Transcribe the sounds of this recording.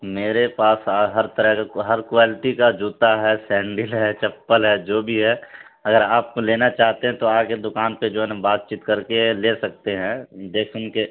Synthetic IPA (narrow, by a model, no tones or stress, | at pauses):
meːɾepaːsaɦɐɾt̪əɾəɦkaɦɐɾkʋaːlɪʈikad͡ʒuːt̪aɦɛsɛ̃ːɳɖɪlɦɛt͡ʃɐpːəlɦɛd͡ʒoːbʱiɦɛ | ɐɡəɾaːp̚koleːnat͡ʃaːɦt̪eɦɛ̃t̪oaːked̪ʊkaːnped͡ʒoːɦɛñbaːt̪̚t͡ʃiːt̪kɐɾkelesɐk̚t̪eɦɛ̃d̪eːkʰʊnke